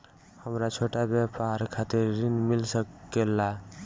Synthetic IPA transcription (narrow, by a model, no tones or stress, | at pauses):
həmɾat͡ʃʰoʈabjapaɾkʰat̪eɾɾinmɪlsəkːela